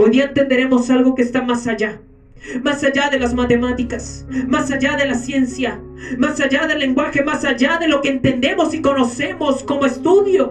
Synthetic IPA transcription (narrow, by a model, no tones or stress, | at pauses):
ojðiaent̪end̪eɾe̞mo̞salɣo̞ke̞ːst̪amasaʝa | masaʝaðe̞lazmat̪e̞mat̪ikasmasaʝaðe̞lasje̞nsja | masaʝaðe̞lːe̞ŋɡwaxe̞masaʝaðe̞lo̞keːnt̪e̞nd̪e̞mo̞siko̞no̞se̞mo̞sko̞moest̪uðjo̞